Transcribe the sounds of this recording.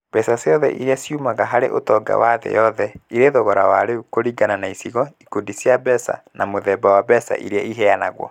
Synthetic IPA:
b̥ɛsaseɔðɛ̰ʔiɾeasjumaɣaɦaɾḛʔotɔɡa̰waðɛ̰jɔðɛiɾeðoɣɔɾawaɾeukoɾiɡananaisiɣɔikudisjabɛsa̰nʔamoðɛbawabɛsa̰ʔḭɾeaiɦɛanaɣwɔ̰

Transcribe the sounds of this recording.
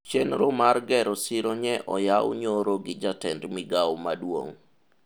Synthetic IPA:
t͡ʃenɾomarɡɛɾɔsɪɾɔɲɛʔɔ̰jawɲoɾoɡɪd͡ʒatɛndmiɡawmadwo̰ŋ

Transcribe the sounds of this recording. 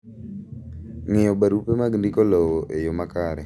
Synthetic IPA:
ŋɪɔɓaɾupemaɡndikɔlɔwɔʔejomakaɾɛ̰

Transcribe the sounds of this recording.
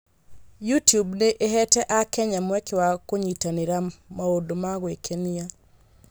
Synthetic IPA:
jutjubneʔeɦɛtɛʔakɛɲamwɛkewakoɲitaniɾamaodomaɣwekʰenia

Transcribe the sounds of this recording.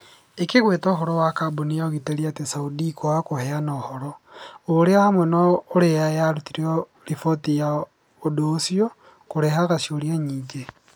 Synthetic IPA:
ekeɣwetɔːɦɔɾɔwakaboniaoɣiteɾiatesaudikoakohɛanɔhɔɾɔoɾeamwenɔːɾejajaɾutiɾeɔ | ɾifotija | odoːsiɔ | koɾeɦaɣasioɾjaɲiːɲd͡ʒe

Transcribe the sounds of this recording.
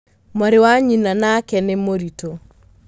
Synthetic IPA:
maɾewaɲinanakɛnemoɾito

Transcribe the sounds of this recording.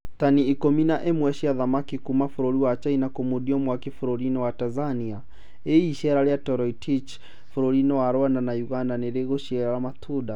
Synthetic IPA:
taniikɔminaʔɛmwɛʃiaðamakikumafuɾoɾiwat͡ʃainakomudiɔmwakefuɾoɾinɔwatanzania | eːʃɛɾaɾjatɔɾɔitʰit͡ʃ | fuɾoɾinɔwaɾwandanajuɣandaneɾeɣoʃɛɾalamatʰuda

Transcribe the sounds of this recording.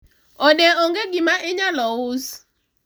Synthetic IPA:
ɔdɛɔŋɡeɡimãʔeɲalɔwʊs

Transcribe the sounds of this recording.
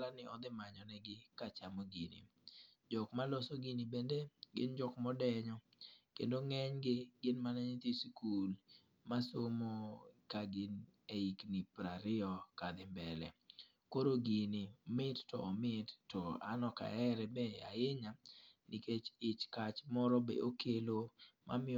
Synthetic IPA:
lanɪɔd̪ɪmaɲɔnɛɡɪkat͡ʃamoɡinḭ | d͡ʒɔkmalɔsoɡinibendeɡɪ̰nd͡ʒɔkmɔdɛɲɔ | kḛndoŋɛɲɡɪɡɪnmanaɲit̪iskul | masomokaɡɪneiknipɾaɾɪɔkad̪ɪmbɛlɛ | koɾoɡinimɪttɔ̰ɔmɪtːɔa̰nɔka̰ɛɾɛbɛa̰jeɲaniket͡ʃɪt͡ʃkat͡ʃmɔɾɔbḛʔokʰelomʔa̰mɪ

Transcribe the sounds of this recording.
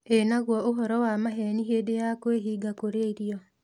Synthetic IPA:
enaɣwɔoɦɔɾɔwamaɦɛniɦeːdejakweɦiːɡakoɾeiɾiɔ

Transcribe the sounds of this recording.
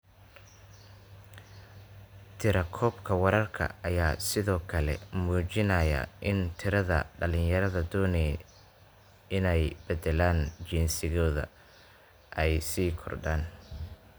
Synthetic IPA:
t̪ʰɪɾɐkʰɔːbkʰɐwɐɾɐrkʰɐ̰ɐjaːsɪðɔːkʰɐlɛ̰muːt͡ʃɪnɐːjɐ̰ʔɪnt̪ʰɪɾɐðɐ̰ɖɐlɪnjɐɾɐðɐd̪ɔːnɛː | ɪnɛjb̥ɛd̪ɛlaːnt͡ʃiːnsɪɣɔːðɐ̰ | ʔɛjsiːkʰɔ̰rɖaːn

